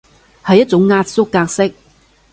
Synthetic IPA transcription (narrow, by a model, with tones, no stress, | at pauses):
hɐ˨jːɐ˥t̚t͡sʊ˨˥ŋːaː˧t̚sʊ˥kːaː˧k̚sɪ˥k̚